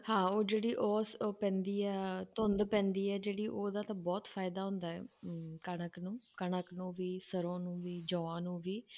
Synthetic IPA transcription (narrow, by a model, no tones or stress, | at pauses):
hãːoːd͡ʒeːɽiːʔɔːspɛ̃ːnd̪iːɛːt̪õnd̪pɛ̃ːnd̪iːɛːd͡ʒeːɽiːʔoːd̪aːt̪ãːbɔːt̪fʰaːɪd̪aːɦʊ̃nd̪aːɦɛ̰ːkəɳ̃əknũːkəɳəknũːʋiːsəɾõːnũːʋiːd͡ʒɔ̃ːãːnũːʋiː